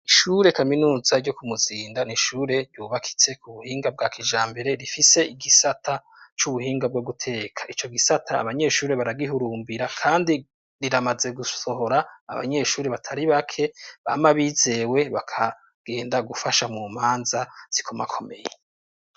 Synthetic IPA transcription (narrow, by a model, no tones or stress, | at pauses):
iʃuɾe̞kaminuːzaɾɟo̞kumuziːndaniʃuːɾe̞ɾɟuːβakʰi̥t͡se̞kʰuβuhiːŋɡab̚ɡaːkʰiʒaːmbe̞ɾe̞ɾifise̞ʔiɡisatʰa | t͡ʃuβuhiːŋɡab̚ɡoɡutʰe̞ːkʰḁʔit͡ʃo̞ɡisatʰa̰ːβaɲe̞ʃuːɾe̞βaɾaɡiɦuɾuːmbiɾakʰaːndi | ɾiɾamaze̞ɡuso̞ho̞ɾa̰ːβa̰ɲe̞ʃuːɾeβatʰaɾiβakʰe̞βa̰maβize̞ːwe̞βakʰa | ɡ̥e̞ːndaɡufaʃamuːm̥aːnzaz̥ikʰomakʰo̞me̞̰je